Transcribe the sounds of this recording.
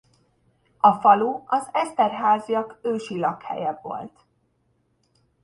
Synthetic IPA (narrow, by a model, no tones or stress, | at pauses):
ɒfɒluɒzɛst̪ɛrɦaːzijɒkøːʃilɒkhɛ̰jɛbːo̞̰lt̪